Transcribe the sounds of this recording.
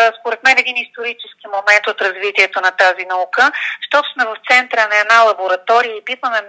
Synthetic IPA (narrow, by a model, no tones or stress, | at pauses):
spoɾɛt̪mɛnɛd̪inist̪oɾit͡ʃɛsk̟imomɛnt̪ot̪ɾɐzvit̪iɛt̪onɐt̪azinɐukəʃt̪ɔt̪ʊ̥smɛvɐft̪sɛnt̪ɾənɐɛd̪nalˠɐboɾɐt̪ɔɾijəipit̪vɐmɛ